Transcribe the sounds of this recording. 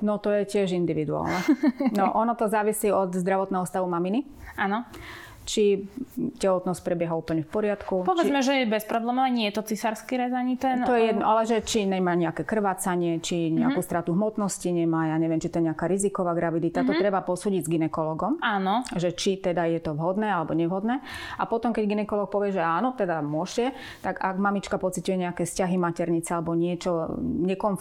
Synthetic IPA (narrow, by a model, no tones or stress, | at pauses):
nɔt̪ɔjɛcɪɛʒind̪iʋid̪ua̰ːlnɛnɔʔɔnɔt̪ɔzaːʋisiːɔd̪zd̪ɾaʋɔt̪nɛːɦɔst̪aʋumamini | anɔ | t͡ʃicɛlɔt̪nɔsc̚pɾɛbjɛɦauːpl̩ɲɛfpɔɾɪat̪kupɔt͡ʃʋɛid͡zmɛʒɛjɛbɛspɾɔblɛːmɔaɲɛjɛt̪ɔt͡sisaɾskiɾɛzaɲit̪ɛnɔjɛjɛd̪nɔʔalɛʒɛt͡ʃiɲɛmaːɲɛakɛːkr̩ʋaːt͡saɲɪɛt͡ʃiɲɛakuːst̪ɾat̪uɦmɔt̪nɔsciɲɛmajaɲɛʋɪɛmt͡ʃit̪ɔjɛɲɛakaːɾizikɔʋaːɡɾaʋid̪it̪at̪ɔt̪ɾɛbapɔsuːɟiɟzɡinɛkɔlɔɡɔmaːnɔʒɛt͡ʃit̪ɛd̪ajɛt̪ɔʋɦɔd̪nɛːalɛbɔɲɛʋɦɔd̪nɛːʔapɔt̪ɔmkɛɟɡinɛkɔlɔːk̚pɔʋɪɛʒɛaːnɔt̪ɛd̪amʊɔʃcɛ | t̪aɡaɡmamit͡ʃkapɔt͡sic̪ujɛɲɛakɛːfscaɦimacɛɾɲit͡sɛalɛbɔɲɪɛt͡ʃɔɲɛkɔn